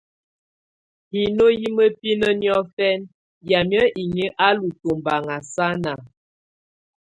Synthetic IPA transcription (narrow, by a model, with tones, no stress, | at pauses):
hi˨no˦ji˦mə˦pi˦nə˦njɔ˦fɛ˦n | ja˨mjə˦ʔi˨ŋi˦ʔa˦lu˨to˨mba˨ŋa˨sa˦na˨